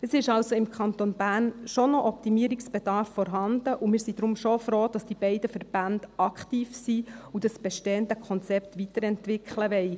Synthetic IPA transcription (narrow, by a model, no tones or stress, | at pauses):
əsɪʃɑlsoɪmkʰχɑnt̪onbæːrnʃɔnɔʔɔp̚t̪imiəɾiksb̥ɛd̥ɑɾfːɔɾɦɑnd̥əʔumɪːɾsid̥ɾʊmʃofɾoːd̥ɑsd̥ib̥ɛɪdəfəɾb̥ændɑkχt̪iːfsiud̥ɑsb̥ɛʃtɛːəndəkʰɔnt͡sɛpt̪ʋit̪əɾɛntʋɪkχləʋɛɪ